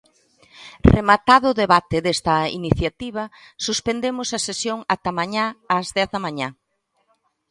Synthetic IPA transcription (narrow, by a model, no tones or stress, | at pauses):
remat̪aðʊðeβat̪eðest̪ɐḭniθjat̪iβ̞ɐ | suspend̪emʊsɐsesjoŋat̪ɐmaɲaːzðɛθðɐmaɲa